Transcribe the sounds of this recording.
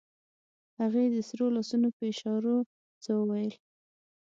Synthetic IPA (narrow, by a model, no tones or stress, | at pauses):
haɣed̪əsɾolasunopəɪʃɑɾo | t͡səwəwajəl